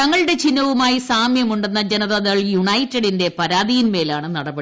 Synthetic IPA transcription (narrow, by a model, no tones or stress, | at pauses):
ɐŋːɐɭɨɽe̞t͡ɕinːɐʋumaːjisaːmjɐmuɳɖe̞nːɐd͡ʑenɐðɐðɐɣɐɭjuɳɐjitːeɽinde̞pɐɾaːðijinme̞ːlaːɳɨnɐɽɐbɐ